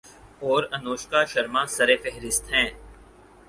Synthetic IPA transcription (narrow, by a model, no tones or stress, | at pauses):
ɔːɾɐnoːʃkaʃɐɾmãsɐɾefɛɦɾɪst̪ɦɛ̃ː